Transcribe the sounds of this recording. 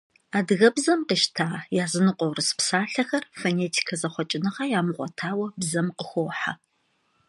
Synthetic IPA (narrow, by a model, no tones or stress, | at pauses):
aːdɨɣɐbzɐmqiːʃtʰaːjaːzɨnɨqʷʼɔwrɨspsaːɬɐxɐrfoneːtʰi̥kʰɐzɐχʷɔt͡ʃʼɪnɨʁɐjaːmɨʁʷɔ̰tʰaːwɐbzɐmqəxʷoːħa̰